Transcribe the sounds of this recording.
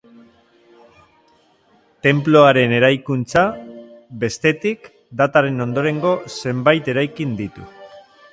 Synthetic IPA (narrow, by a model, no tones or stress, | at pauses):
t̪e̞mplo̞aɾe̞ne̞ɾajkunt͡sa | be̞st̪e̞t̪ik | d̪at̪aɾe̞no̞nd̪o̞ɾe̞ŋɡo̞se̞mbajt̪e̞ɾajkind̪it̪ṵ